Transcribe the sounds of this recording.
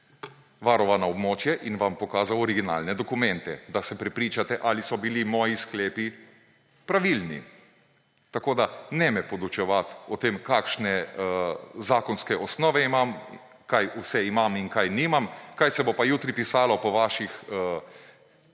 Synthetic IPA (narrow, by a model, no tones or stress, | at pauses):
ʋaɾɔʋanaɔbmoːt͡ʃjɛʔinʋampɔkaːzawɔɾiɡina̰ːlnɛd̪ɔkumɛ̃nt̪ɛd̪asɛpɾɛpɾiːt͡ʃat̪ɛʔalisɔbilimɔːjisklɛːpi | pɾaʋilnḭ | t̪akoːd̪anɛmɛpɔd̪ut͡ʃɛʋat̪ɔt̪emkakʃnɛ | zaːkɔnskɛʔɔsnɔːʋɛimam | kajusɛimaminkajniːmamkajsɛbopajuːt̪ɾipisaːlɔpɔʋaːʃixə